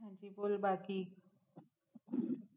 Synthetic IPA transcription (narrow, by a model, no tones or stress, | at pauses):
ɦãt͡ɕipolbaki